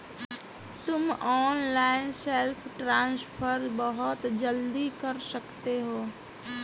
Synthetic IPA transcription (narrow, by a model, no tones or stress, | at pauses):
t̪ʊmɔːnlaːɪnselpʰʈɾãːnspʰəɾbəɦʊt̪d͡ʒəld̪ikəɾsəkt̪eɦoː